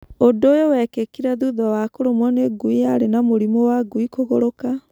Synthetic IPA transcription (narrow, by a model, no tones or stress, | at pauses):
odojowɛkekiɾaðuðɔwakoɾomwɔneɡuiaɾenamoɾimowaɡuikoɣoɾoka